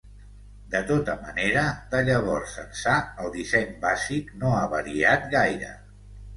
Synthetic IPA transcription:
d̪ət̪ot̪əmə̰neɾəd̪əʎəβ̞ɔrsə̰nsaəlˠd̪isɛɲbaziknoaβəɾiat̪̚ɣajɾə̰

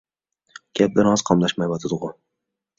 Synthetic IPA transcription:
ɡ̥ʲap̚d̪ɪɾɒz̥qʰɑmlˠaʃmajbat̪ʰɪd̪ʊʁʊ

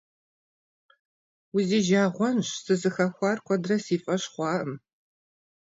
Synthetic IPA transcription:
ʊziːʒaːʁʷɔnɕsɨzɨxɐxʷɑːrkʷʰɔdrɐsiːfʼɐɕχʷɑːʔəm

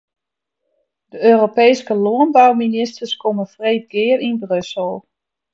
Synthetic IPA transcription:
d̥əøːropɛjskəloənbawminɪstərskʰoməfreːt̚ɡɪərinbrøsəlˠ

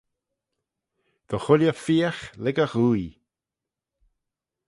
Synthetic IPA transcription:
d̪̥ɔxʊljəfiːaxlɛɡəxuj

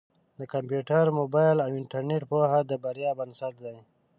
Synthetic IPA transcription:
d̪əkampjuʈaɾmobɑjlawɪɳʈaɾneʈ̚poɦad̪əbaɾjɑːbansaʈ̚d̪aj

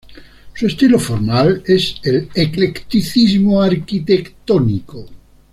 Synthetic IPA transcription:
suest̪ilofoɾmaleseleklekt̪iθizmoaɾkit̪ekt̪oniko

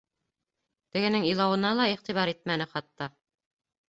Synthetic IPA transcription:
t̪ɘ̆ɡɘ̆nɘŋilˠɑwɤ̆nɑlˠɑiχt̪iβɑɾit̪̚mænɘχɑt̪ːɑ

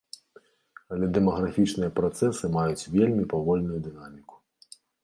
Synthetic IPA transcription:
ɐlʲɛd̪ɛmɐɣɾafʲit͡ʂnɨjɐpɾɔt̪sɛsɨmajut͡sʲvʲelʲmʲipavɔlʲnujud̪ɨnamʲiku̥

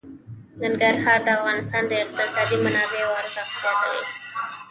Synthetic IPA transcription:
naŋɡaɾhɑɾd̪əafɣɑnɪst̪ɑnd̪əɪq̚t̪ɪsɑd̪imanɑbewɑɾəsaxt̪ɪzɑt̪a̰wḭ

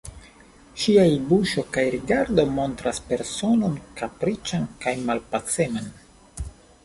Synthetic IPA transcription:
ʃiaibuʃo̞kajɾiɡaɾdo̞mo̞nt̪ɾaspe̞ɾso̞no̞nkapɾit͡ʃankajmalpat͡se̞man

